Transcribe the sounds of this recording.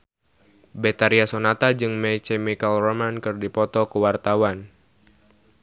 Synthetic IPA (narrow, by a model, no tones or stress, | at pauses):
bɛt̪aɾiasonat̪ad͡ʒɨŋmɛt͡ʃɛmikalromankɨrdipɔt̪ɔkəwart̪awan